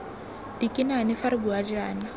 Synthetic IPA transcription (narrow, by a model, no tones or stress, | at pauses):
d̥ikʼɪnanɪfaɾɪbuad͡ʒaːna